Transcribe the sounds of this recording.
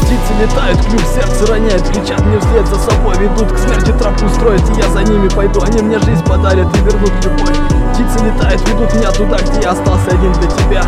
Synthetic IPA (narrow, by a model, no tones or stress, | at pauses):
ptʲit̪sɨlʲɪt̪ajʊt̪knʲiksʲe̞rt̪səɾɐnʲajʊt̪kɾʲɪt͡ɕat̪mnʲefsʲlʲet̪zəsɐbo̞jvʲɪd̪ut̪ksmʲertʲɪt̪ɾapkʲʊst̪ɾo̞jɪt̪ɨjazɐnʲimʲɪpɐjd̪uɐnʲimnʲeʐɨzʲnʲpɐd̪aɾʲət̪ɪvʲɪrnut̪lʲʊɡoj | ptʲit̪sɨlʲɪt̪ajʊt̪vʲɪd̪ut̪mɪnʲat̪ʊd̪aɡ̚dʲejaɐst̪alˠsʲəɐdʲind̪lʲɐtʲɪbʲa